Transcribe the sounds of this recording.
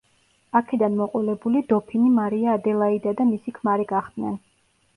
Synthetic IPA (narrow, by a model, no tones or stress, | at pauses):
akʰɛd̪anmɔqʼɔlɛbulid̪ɔpʰinimaɾiaːd̪ɛlˠaid̪ad̪amisikʰmaɾɛɡaχd̪nɛn